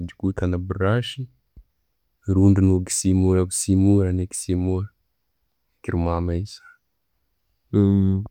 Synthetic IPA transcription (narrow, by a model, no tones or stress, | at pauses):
d̪ikut̪ʰanabiɾaʃi | ɾuɳɖ͡ʐinuɡi̥simuɾaɡisimuɾaneki̥simuɾ | kʲiɾumamaisḁ